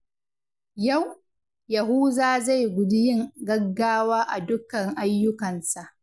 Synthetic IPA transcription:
ja˦˨w | jɐ˨ɦuː˦zaː˦˨za˦˨jɡʷʊ˨dɪ˦jɪ˦˨ŋɡɐ˦ɡːaː˦waː˦ʔa˨dʊ˦kɐ˨ŋʔa˦jːʊ˦kɐ˨nsa˨ʔ

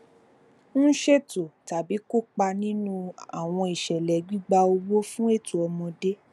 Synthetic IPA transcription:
ñ̩˦ʃe˦to˨ta˨bi˨˦ko˦˨k͡pa˧nĩ˦nũ˧a˨w̃ɔ̃˧i˨ʃɛ˨lɛ˨˦ɡ͡bi˦ɡ͡ba˧o˧wo˦fũ˦e˦˨tu˨ɔ˧mɔ̃˧de˦

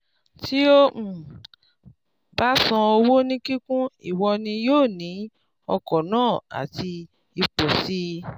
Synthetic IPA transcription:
ti˦o˦ũ˨ | ba˦sã˧o˧wo˦nĩ˦ki˦kũ˦ḭ˦˨wɔ˧nĩ˧joː˦˨nĩ˨˦ | ɔ̰˧kɔ˨nãː˦˨a̰˨ti˧ | i˧k͡po˨si˦

